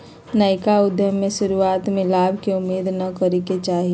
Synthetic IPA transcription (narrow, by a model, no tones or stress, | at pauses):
naːɪkaʊd̪ʱjəmẽʃʊɾuaːt̪mẽlaːbʱkeʊmːeːd̪nɐkɐɾiket͡ʃaːɦi